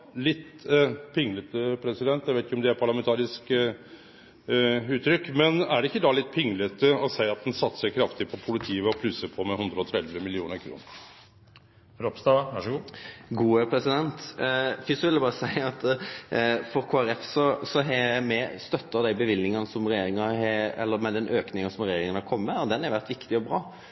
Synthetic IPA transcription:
lɪt̪ː | pʰɪŋːlət̪əpʰɾɛsɪd̪ɛnt̪jæʋæɪt̪ɪçkɔmd̪ɛæɾpʰɑɭɑmɛnt̪ʰɑːɾɪsk | ʉːt̪ːɾʏkːmɛnæɖɛɪkːəd̪ɑlɪt̪̚ːpʰɪŋːlət̪əɔsæɪɑt̪̚d̪ɛnsɑt̪ːsəɾkʰɾɑft̪ɪpʰɔpʰʊlɪt̪ʰiːəɔpʰlʉsːəɾpʰɔmɛhʉnd̪ɾəɔt̪ʰɾɛd̪ʋəmɪlɪuːnəɾkʰɾṵːnəɾ | ɾɔpst̪ɑæʂɡuɡuːəpʰɾɛsɪd̪ɛnt̪fɪsɔʋɪld̪ɛbɑːʁəsæɪɑt̪ | fɔɾkʰoːæɾɛfsɔsɔɦɛmɛst̪œt̪ːəɾd̪æɪbəʋɪlːɪŋɑnəsɔmʁɛjeːɾɪŋɑhɛɛ̰lːəɾmɛd̪ɛnʔøːknɪŋɑsɔmɾɛjeːɾɪŋənɑkʰɔmːəd̪ɛnhɑʋæʁt̪ʋɪkt̪ɪɔbɾɑː

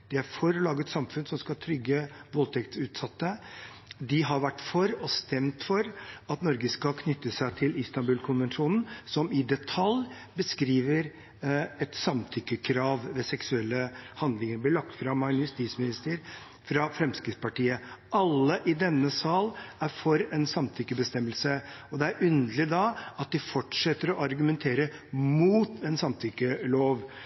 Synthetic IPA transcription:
d̪̥ɛæɾfɔɾlɑːɡət̪sɑmfʉnsɔmskɑlt̪ʰɾʏɡːəʋɔlt̪ʰɛkt̪sʉːt̪sɑt̪ːə | d̪ɪɦɑɾʋæʈːfɔɾɔst̪ɛmt̪fɔɾɑt̪nɔɾɡəskɑlkʰnʏt̪ːəsæɪt̪ʰɪlɪst̪ɑnbʉːlkʰʊnʋɛnʂuːnn̩sɔmɪd̪ɛt̪ʰɑl | bəskɾiːʋəɾ | ɛt̪sɑmt̪ʰʏkːəkʰɾɑːʋʋɛsɛksʉɛlːəhɑnd̪lɪŋəɾblɪɭɑkt̪fɾɑmːɑnjʉst̪iːt̪smɪnɪst̪əɾ | fɾɑfɾɛmskɾɪt̪spɑʈiːəɑlːəʔɪd̪ɛnːəsɑːlæɾfɔɾɛnsɑmt̪ʰʏkːəbəst̪ɛmːəlsəɔd̪ɛæɾʔʉnd̪əlɪd̪ɑɑt̪̚d̪ɪfɔʈʂɛt̪ːəɾɔʔɑɾɡʉmɛnt̪ʰeːɾəmuːt̪ɛnsɑmt̪ʰʏkːəloːʋ

